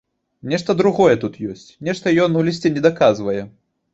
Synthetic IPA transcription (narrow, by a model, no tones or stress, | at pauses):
nʲɛʂt̪ɐd̪ɾuɣɔjɛt̪ut̪jɔsʲt͡sʲnʲɛʂt̪ɐjɔnulʲisʲt͡sʲɛnʲɛd̪akazvɐjɛ